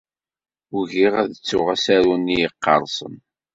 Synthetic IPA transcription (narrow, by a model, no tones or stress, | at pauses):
ʊʝiʁæðt͡sːʊʁæsæɾunːijəqːɑ̰ɾˤsˤə̰n